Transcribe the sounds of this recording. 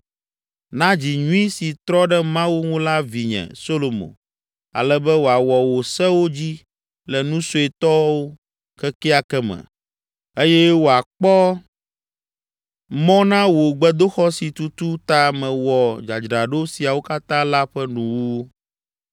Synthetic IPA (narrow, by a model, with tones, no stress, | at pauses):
nã˦d͡ʑi˨ɲũ˦i˦si˨t̪ɾɔ˦ɖɛ˦mã˦wu˦ŋũ˦la˦vi˨ɲɛ̰̃˨so˦lo˨mõ̰˨ | a̰˨lɛ˦bɛ˦wo˨a˨wɔ˨wo˨sɛ˦wo˦d͡ʑi˦ | lɛ˨nũ˦so˨e˨t̪ɔ˦wo˦ | kɛ˦kɛ˦a˨kɛ˦mɛ̰̃˨ | e˦jɛ˦wo˨a˨k͡pɔ˦ | mɔ̃˦nã˦wo˨ɡ͡bɛ˦d̪o˦xɔ˦si˨t̪u˦t̪u˦t̪a˦mɛ̃˨wɔ˨d͡ʒa˨d͡ʒɾa˨ɖo˦si˨a˨wo˦ka˦t̪ã˦la˦ɸɛ˦nũ˨wu˦